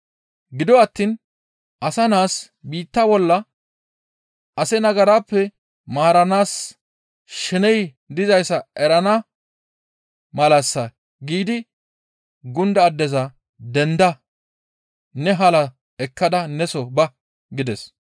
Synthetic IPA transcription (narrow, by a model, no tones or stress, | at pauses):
ɡɪd̪ɔɐt̪ːiːn | ʔɐsɐnaːs | biːt̪ːɐbɔlːɐ | ʔɐsɛnɐɡɐɾaːpːɛ | maːɾɐnaːs | ʃɪnɛj | d̪ɪzɐjsɐʔɛɾɐnɐ | mɐlɐsːɐ | ɡiːd̪ɪ | ɡʊnd̪ɐːd̪ːɛzɐ | d̪ɛnd̪ɐ | nɛɦɐlɐ | ɛkːɐd̪ɐnɛsɔbɐ | ɡɪd̪ɛs